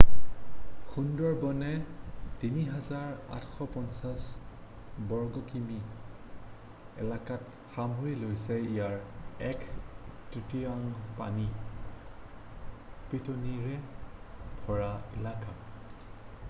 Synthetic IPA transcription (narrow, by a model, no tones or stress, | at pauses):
xundɔɹbɔnɛtiniɦazaɹa̰tʰxɔpɔnsas | bɔɹɡɔkimi | ɛ̰lakat̚ | xamɦojlojsɛijaɹɛktɹitiaŋpani | pɹitoniɹɛ | b̥ʱɔɹaḭlaka